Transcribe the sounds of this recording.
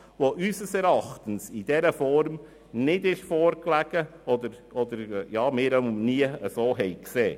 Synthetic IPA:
ʋoʔysəsɛɾɑχt̪ənsid̥ɛɾəfɔɾm | nɪdɪʃfɔːɾklæɡ̥əɔd̪əɾɔd̪əɾjɑːmɪːɾəʊmniəəsoːɦɛjkseː

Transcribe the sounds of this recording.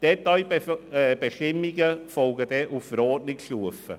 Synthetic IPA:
d̥ɛtːɑj | b̥əʃɪmiɡəfɔlɡədɛʔufəɾɔːdnɪkʃluəfə̰

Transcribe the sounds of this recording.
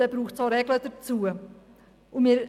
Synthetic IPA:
ɛbɾuːxtt͡sɑɾɛɡlədəɾt͡suːə | ʊnmiːɾ

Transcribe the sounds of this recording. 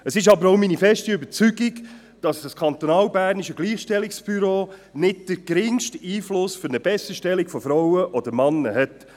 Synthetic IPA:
əsɪʃ̬ɑbəɾoʊminifɛʃtiʏbəɾt͡syɡɪɡ | d̥ɑsskʰɑnt̪ɔnɑːlbæːrniʃəɡliːχʃtɛliksb̥yɾoːnɪt̚d̥əɡ̥ɾɪŋʃtiːflʊsfʏɾnəbɛsəʃtɛliɡfɔfɾawəʔɔd̥̪əɾmɑnːəɦɛt

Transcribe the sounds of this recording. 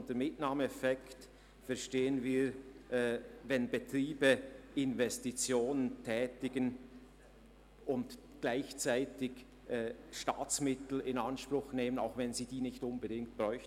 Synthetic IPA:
ntəmɪtnaːmɛfɛkt | fɛɐʃteːənviː | vɛnbətʁ̥iːbəɪnvɛstit͡sjoːnəntʰɛːtɪɡ̥ən | ʊnt | ɡ̥laɪçt͡saɪtɪç | ʔɛːʃta̰ːt͡smɪtl̩ɪnanʃprʊxneːməna̰ʊxvɛnziːdiːnɪçtʊnbədɪŋkt̚b̥ʁɔʏçtn̩

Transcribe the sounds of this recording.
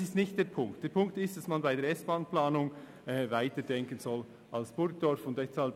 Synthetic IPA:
sɪstnɪçt̚d̥eːɾpʰʊŋktd̥eːɾpʰʊŋk̚tɪstd̥asmanbaɪdeːɾɛsb̥aːnplaːnʊŋ | ɛvaɪtəd̥ɛŋkənzɔl | ʔɑlsb̥ʊɾk̚d̥ɔɾfʊntdɛshɑlp

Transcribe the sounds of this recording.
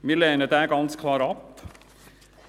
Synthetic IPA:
mɪleːnəd̪æɾɡɑnskʰlɑːɾɑp

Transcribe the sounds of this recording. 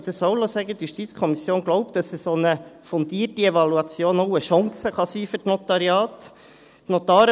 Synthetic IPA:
d̪əsɔwlosæɡət̪juʃtiːt̪t͡skʰɔmisjoːnɡ̥lɔʊp̚d̥ɑsəsonəfɔnd̪iːrtiɛvɑluɑt͡sjoːnoʊəʃɑŋsəχɑsiːfɵtnɔt̪ɑɾiɑːt̪ | tnɔt̪ɑːɾ

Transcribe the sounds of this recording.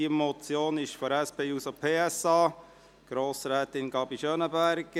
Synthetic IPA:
iəmɔt͡sjoːnɪʃfɔɾɛspeːusopʰeːɛsɑː | ɡ̥ɾoːsɾɛːt̪ɪnɡɑbiʃœnəbæɾɡ̥

